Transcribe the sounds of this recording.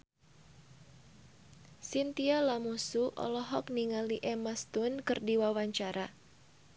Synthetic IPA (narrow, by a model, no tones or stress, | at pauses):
sint̪ialamusuʔɔ̰lɔɦɔk̚niŋaliʔɛmast̪unkɨrdiwawaɲt͡ʃaɾa